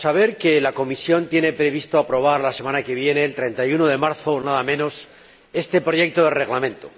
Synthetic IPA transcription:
saβ̞e̞ɾke̞lako̞misjo̞nt̪je̞ne̞pɾe̞βist̪oapɾo̞β̞aɾlase̞mãnake̞β̞je̞ne̞ːlt̪ɾe̞nt̪ajunoðe̞maɾθonaðamẽ̞no̞s | est̪e̞pɾo̞ʝe̞k̚t̪oðe̞re̞ɣlamẽ̞nt̪o

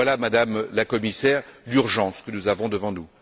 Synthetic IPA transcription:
walamad̪amlakɔmisɛʁlyʁʒɑ̃skənuzavɔ̃d̪əvɑ̃nu

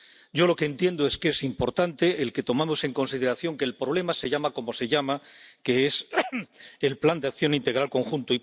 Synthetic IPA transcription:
ɟ͡ʝo̞lo̞keːnt̪je̞nd̪oe̞ske̞simpo̞ɾt̪ant̪e̞ʔːlke̞t̪o̞mamo̞se̞ŋko̞nsið̞e̞ɾaθjo̞ŋke̞ːlpɾo̞β̞le̞mase̞ʝamako̞mo̞se̞ʎamake̞es | elpland̪eakθjo̞nint̪e̞ɣ̞ɾalko̞ŋxunt̪oi

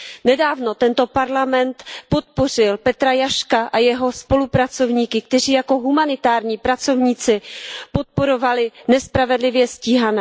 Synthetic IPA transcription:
nɛdaːvno̞t̪ɛnt̪o̞paɾlamɛnt̪po̞t̪̚po̞r̝ɪlpɛt̪ɾajaʃkaʔajɛɦo̞spo̞lupɾat͡so̞vɲiːkɪk̚t̪ɛriːjako̞ɦumanɪt̪aːɾɲiːpɾat͡so̞vɲiːt͡sɪpo̞t̪̚po̞ɾo̞valɪnɛspɾavɛdlɪvjɛsciːɦanɛː

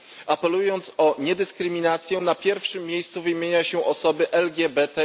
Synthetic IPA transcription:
apɛlujɔnt̪sɔɲɛd̪ɘskɾɘmʲinat̪sʲjɛnapʲjɛɾfʂɘmːjejst̪suvɘjmʲjeɲaɕɛʔɔsɔbɘʔɛlɡʲɛbɛt̪ɛ

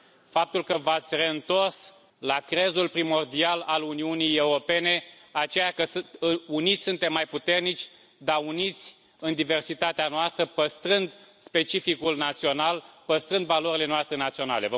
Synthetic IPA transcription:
fap̚t̪ulkəvat̪sʲre̞ɨnt̪o̞rs | lakɾe̞zulpɾimo̞rd̪ialaluniunije̞uɾo̞pe̞ne̞at͡ʃe̞jakəunit̪sʲsunt̪emːajput̪e̞rnit͡ʃʲ | d̪aunit̪sʲ | ɨnd̪ive̞rsit̪at̪eanoast̪ɾəpəst̪ɾɨnd̪spe̞t͡ʃifikulnat̪sio̞nalpəst̪ɾɨnd̪valo̞ɾile̞noast̪ɾe̞nat̪sio̞na̰le̞və

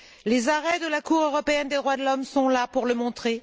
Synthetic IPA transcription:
lezaʁɛd̪əlakuʁøʁɔpeɛnd̪ed̪ʁwad̪əlɔmsɔ̃lapuʁləmɔ̃t̪χe

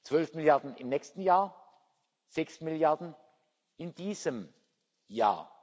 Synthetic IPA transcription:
t͡sv̥œlfmɪljaɐdn̩ɪmnɛːçstn̩jaːɐ | z̥ɛksmɪljaɐdn̩ | ɪnd̥iːzəm | ja̰ːɐ

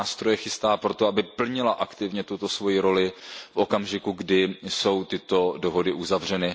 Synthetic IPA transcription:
aːst̪ɾo̞jɛxɪst̪aːpɾo̞t̪oabɪpl̩ɲɪlaʔakt̪ɪvɲɛt̪ut̪o̞svo̞jiɾo̞lɪfʔo̞kamʒɪkuɡdɪso̞wt̪ɪt̪o̞do̞ɦo̞dɪʔuzavr̝ɛnɪ

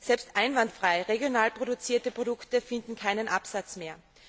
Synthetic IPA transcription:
sɛlpstʔaɪnvantfʁ̥aɪʁeɡjonaːlpʁ̥oɾʊt͡siːɐtəpʁ̥odʊktəfɪndn̩kʰaɪnənʔapsat͡smeːɐ

